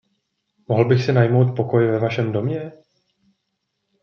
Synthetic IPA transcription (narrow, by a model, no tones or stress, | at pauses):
moɦl̩bɪxsɪnajmo̞wt̪̚po̞ko̞jvɛvaʃɛmdo̞mɲɛ